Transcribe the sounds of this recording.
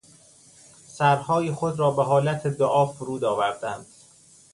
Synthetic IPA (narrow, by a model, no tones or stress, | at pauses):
sæɾhɒːjixod̪ɾɒːbeɦɒːlæt̪ʰed̪oʔɒːfoɾuːd̪ɒːvæɾd̪ænd̪̥